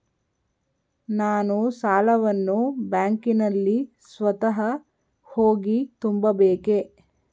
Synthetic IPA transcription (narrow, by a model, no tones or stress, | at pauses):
naːnusaːlɐʋɐnːubjaːŋkinɐlːi | sʋɐt̪ɐɦɐ | hoːɡit̪umbɐbeːke